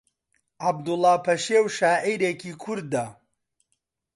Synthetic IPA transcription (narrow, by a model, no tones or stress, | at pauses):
ʔab̚d̪ulˠːɑːpʰɐʃewʃaːʕiːɾeːkiːkʰʊɾd̪̚ːɐ